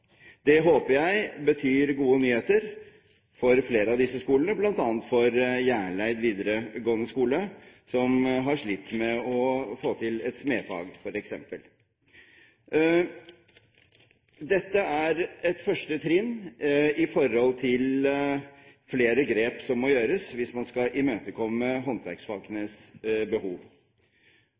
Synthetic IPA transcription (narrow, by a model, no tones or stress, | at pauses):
d̪ɛɦoːpəjæɪbət̪ʰyːɾɡuːənyːheːt̪əɾ | fɔɾfleːɾəɑʋd̪ɪsːəskuːlənəblɑnt̪ɑːt̪fɔɾjæːɳɭæɪd̪ʋiːd̪əɾəɡoːənəskuːləsɔmɦɑʂɭit̪ːmɛɔfoːt̪ʰɪlɛt̪smeːfɑ̰ːɡfɔɾɛksɛ̰mpəl | d̪ɛt̪ːəæɾɛt̪fœʂʈət̪ʰɾɪnːɪfɔɾhɔlt̪ʰɪl | fleːɾəɡɾeːpsɔmːɔjøːɾəsʋɪsmɑnskɑʔɪmøːt̪əkʰɔmːəɦɔnt̪ʰʋæ̰ɾksfɑːɡənəsbəhuːʋ